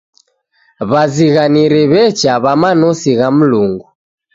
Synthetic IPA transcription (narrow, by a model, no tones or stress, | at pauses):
βaziɣaniɾɛβɛt͡ʃaβamanɔsiɣam̩luŋɡu